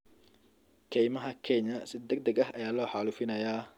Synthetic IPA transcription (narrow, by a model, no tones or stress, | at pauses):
kʰɛjmɐɦɐkʰɛɲɐsɪd̪ɐɡd̪ɐɡɐɦɐjaːlɔːħɑlufɪnɐjaː